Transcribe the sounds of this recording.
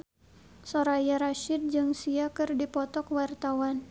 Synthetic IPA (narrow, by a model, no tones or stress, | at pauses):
sɔɾajaɾaʃɪd̚d͡ʒɨŋsiakɨrdipɔt̪ɔkwart̪awan